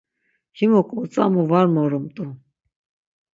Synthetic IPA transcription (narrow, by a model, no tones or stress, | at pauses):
himɔkʼɔt͡sʼa̰muvaɾmɔɾumt̪ʼu